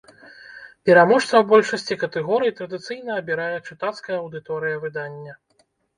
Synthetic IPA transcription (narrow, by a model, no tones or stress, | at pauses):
pʲɛɾamɔʂt̪vɐwbɔlʲʂɐsʲt͡sʲikɐt̪ɛɣɔɾɨjit̪ɾɐd̪ɨt̪sɨjnɐɐbʲiɾajɛt͡ʂɨt̪at̪skɐjɐɐwd̪ɨt̪ɔɾɨjɐvɨd̪anʲːɐ